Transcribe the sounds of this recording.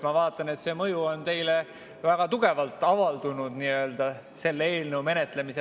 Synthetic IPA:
mɑvɑːt̪ˑːɑne̞t̪se̞ːmɤjuo̞nt̪e̞jle | væɡ̥ɑt̪uɡ̥e̞vɑlt̪ːˑɑvɑld̪̥unud̪niø̞ːld̪̥ɑ | se̞lːee̞ːlnɤwme̞net̪ˑle̞mise

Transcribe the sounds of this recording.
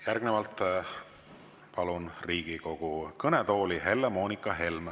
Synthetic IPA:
jærɡ̥nevɑlt̪ˑ | pɑlunriːɡ̥iko̞ɡ̥ukɤnet̪o̞ːlihe̞lːemo̞ːnikːˑɑɦe̞lm

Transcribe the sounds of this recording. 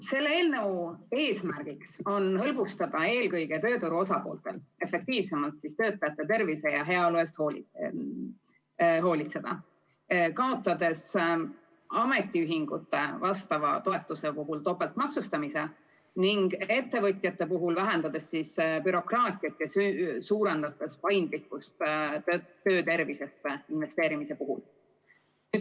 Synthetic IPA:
se̞lːeeːlnɤwe̞ːsmærɡ̥ikso̞nɦɤlb̥ust̪ɑd̪̥ɑe̞ːlkɤjɡ̥e̞t̪ø̞ːt̪uɾuo̞sɑpo̞̰ːlt̪e̞̰le̞fe̞k̚t̪iːvse̞mɑlt̪sist̪ø̞ːt̪ːˑɑjɑt̪ːˑe̞t̪e̞rvise̞jɑɦe̞ɑlue̞st̪hoːli | ɦo̞ːlit̪se̞d̪̥ɑ̰ | kɑo̞t̪ːˑɑd̪̥e̞s | ɑme̞t̪ːˑiyɦiŋɡ̥ut̪ːˑe̞vɑst̪ɑvɑ̰t̪o̞et̪ːˑuse̞puɦult̪o̞pːˑelt̪mɑksust̪ɑmise̞ | niŋɡ̥e̞t̪ːe̞vɤt̪ʲˑjɑt̪ːe̞puɦulvæɦend̪ɑd̪̥e̞sːispyɾo̞krɑːt̪ʲˑiɑt̪ːjɑsysuːɾe̞nd̪̥ɑt̪ːˑespɑjnd̪likːust̪ | t̪ːø̞ːt̪e̞ɾvise̞sːeinve̞st̪e̞ːɾimise̞puɦṵl | y

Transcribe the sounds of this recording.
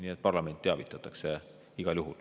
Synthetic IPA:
niet̪̚pɑrlɑme̞nt̪ːˑeɑvit̪ːˑɑt̪ːˑɑkse | iɡ̥ɑljuɦul

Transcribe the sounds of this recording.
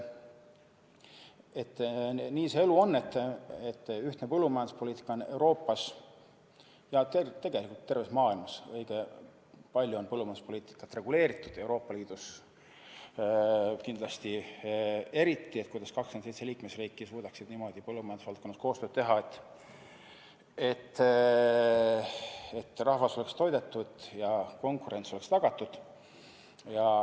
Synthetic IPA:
e̞t̪ːˑniːseeluo̞nːe̞t̪ːˑet̪ːyht̪nepɤlːumɑjɑnd̪u̥spo̞lʲiːt̪ːˑi̥kːˑɑone̞wɾo̞ːpːɑs | jɑt̪et̪ːe̞ɡ̥e̞likult̪ːe̞rvesmɑːilmɑsɤjɡ̥e | pɑlʲjuonpɤlːumɑjnd̪uspo̞liːt̪ˑi̥kːˑɑt̪re̞ɡ̥ule̞ːɾit̪ˑːud̪̥e̞wɾo̞ːpːˑɑliːd̪̥us | kind̪lɑst̪i | e̞ɾit̪ːiekujd̪̥ɑskɑkskymnsejt̪seliːkmesriːkːˑisvuːd̪ɑksid̪niːmo̞d̪ipɤlːumɑjɑnu̥svɑlt̪̚konːɑskoːst̪øːd̪̥̚t̪e̞ɦɑet̪ːˑ | e̞t̪ːˑ | et̪ːrɑhvɑso̞le̞kst̪o̞jd̪̥e̞t̪ːud̪̥jɑko̞ŋkuɾe̞nt̪so̞lekst̪ɑɡ̥ɑt̪ːˑud̪̥ | jɑ

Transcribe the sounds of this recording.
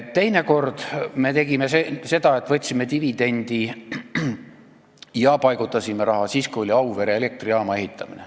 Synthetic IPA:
t̪e̞jne̞ko̞rd̪̥me̞t̪e̞ɡ̥imesese̞d̪̥ɑe̞t̪ːˑvɤ̞t̪ʲːsimet̪ivid̪̥e̞nʲd̪̥i | jɑpɑjɡ̥ut̪ːˑɑsʲimeɾɑɦɑsiːskuo̞lʲiɑwve̞ɾjele̞k̚t̪riɑːmɑe̞ɦit̪ːˑɑmine

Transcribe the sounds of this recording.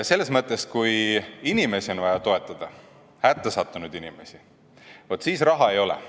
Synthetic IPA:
se̞lːesmɤt̪ˑːe̞skujinime̞sio̞nvɑjɑt̪o̞e̞t̪ˑːɑd̪̥ɑ | hæt̪ːesɑt̪ːˑunud̪̥inime̞̰si | vot̪ːˑsiːsrɑɦɑe̞jo̞lḛ

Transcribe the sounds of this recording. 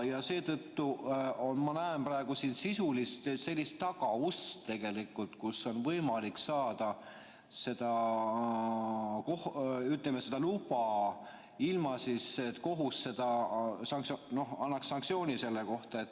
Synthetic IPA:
jɑse̞ːt̪ɤt̪ːuo̞nmɑnæemprɑe̞ɡ̥usiːnsisulist̪se̞lʲːist̪ːɑɡ̥ɑust̪t̪e̞ɡ̥e̞likːˑult̪kusːo̞nvɤjmɑliksɑːd̪̥ɑ | se̞d̪̥ɑ | kohyt̪ˑlemese̞d̪̥ɑlub̥ɑ | ilmɑsiset̪ko̞ɦusːe̞d̪̥ɑsɑŋkno̞hɑnːɑksːɑŋkt̪sio̞ːnʲise̞lːeko̞ht̪ɑe̞t̪ː

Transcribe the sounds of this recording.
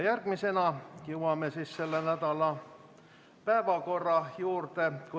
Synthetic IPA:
jærɡ̥mise̞nɑkiuwwɑmesisse̞lːenæd̪ɑlɑ | pæevɑko̞rːɑjuːrt̪e̞ku

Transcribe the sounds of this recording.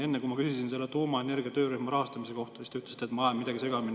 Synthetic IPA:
e̞nːekumɑkysisinse̞lːet̪uːmɑe̞ne̞rɡiɑt̪øːɾyhmɑɾɑhɑst̪ɑmise̞ko̞ht̪ɑsist̪ɑyt̪lesi̥t̪ːˑet̪mɑemːid̪ɑɡise̞ɡ̥ɑmin

